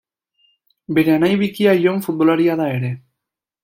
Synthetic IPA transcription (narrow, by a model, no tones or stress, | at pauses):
be̞ɾe̞anajβikiajo̞ɱfut̪̚bo̞laɾiaðae̞ɾe̞